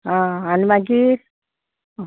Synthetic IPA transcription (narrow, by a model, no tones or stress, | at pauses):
ɦãanmaɡiɾ